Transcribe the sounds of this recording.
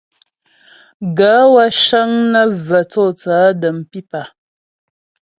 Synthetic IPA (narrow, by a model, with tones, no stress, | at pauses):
ɡa˨˦wa˦ʃə˦ŋnə˦və˨t͡sɔ˦˨t͡saː˨˦də˨m̩˨pi˦pa˨